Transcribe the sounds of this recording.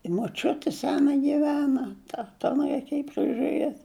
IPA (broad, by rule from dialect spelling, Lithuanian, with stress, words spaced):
ɪ moːˈt͡ʃʲʊtʲɪ ˈsʲæːnɐ ɡʲɪˈʋʲæːnɐ ˈtɐ tɐ ˈɑːnɐɪ rʲɛɪˈkʲeːjɪ pʲrʲɪʒʊˈrʲeːtʲ